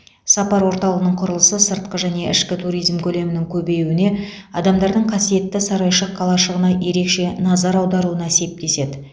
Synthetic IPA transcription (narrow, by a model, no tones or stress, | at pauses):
sɑpɑɾwo̞ɾt̪ɑlˠəʁənəɴqʰʊɾəlˠəsəsəɾt̪̚qəʒæne̞ʔɪʃkʲɪt̪ʰuɾijzmkʲʰɵle̞mɪnɪŋkʲʰɵbe̞jwɪne̞ | ɑd̪ɑmd̪ɑɾd̪əɴqʰɑsije̞t̪ːɪsɑɾɑjʃəqʰːɑlˠɑʃəʁənɑje̞ɾe̞kʃe̞nɑzɑɾɑwd̪ɑɾuənɑse̞p̚t̪e̞se̞d̪ɪ